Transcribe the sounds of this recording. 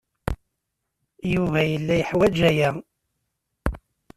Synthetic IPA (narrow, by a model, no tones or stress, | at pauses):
juvæjəlːæjəħwæd͡ʒæjæ